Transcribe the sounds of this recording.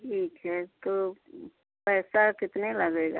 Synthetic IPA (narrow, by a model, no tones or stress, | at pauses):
ʈʰiːkɦɛt̪o | pɛːsakɪt̪nelɐɡeːɡaː